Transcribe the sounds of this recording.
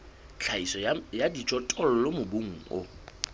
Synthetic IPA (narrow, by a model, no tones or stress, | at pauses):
t͡ɬʰaisɔjadit͡ʃʼɔtʼɔl̩lɔmʊbuŋ̩ʊ̰